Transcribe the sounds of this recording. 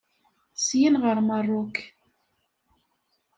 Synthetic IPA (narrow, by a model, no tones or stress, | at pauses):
sjinʁaɾmarˤːok